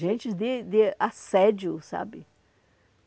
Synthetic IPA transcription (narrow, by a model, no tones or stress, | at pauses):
ʒẽnt͡ʃɪzd̪ɪd̪ɪasɛd͡ʒiʊsa̰bɪ